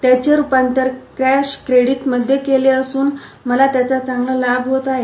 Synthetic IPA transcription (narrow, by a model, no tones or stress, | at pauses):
t̪jat͡ɕjaɾupant̪əɾkɾæɕkɾeɽiʈməd̪ʱːjekeleəsuːn | məlat̪jat͡sat͡saŋɡləlabʱɦot̪aɦe